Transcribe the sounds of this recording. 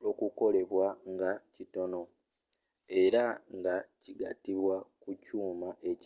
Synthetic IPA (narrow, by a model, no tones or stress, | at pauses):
okuko̞le̞βwaŋɡacito̞no̞ | e̞ɾaŋɡaciɡa̰tiβwakucuːmaʔe̞c